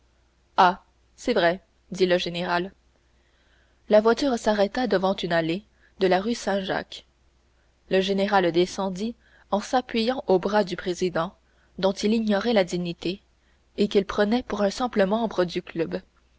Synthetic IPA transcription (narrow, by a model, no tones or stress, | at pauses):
a | sɛvʁɛ | d̪iləʒeneʁal | lavwat̪yːʁsaʁɛt̪ad̪əvɑ̃t̪ynale | d̪əlaʁysɛ̃ʒa̰k | ləʒeneʁald̪esɑ̃d̪i | ɑ̃sapɥijɑ̃ʔobʁad̪ypχezid̪ɑ̃ | d̪ɔ̃t̪iliɲɔʁɛlad̪iɲit̪e | ekilpχənɛpuʁɛ̃sɛ̃pləmɑ̃bʁəd̪yklœb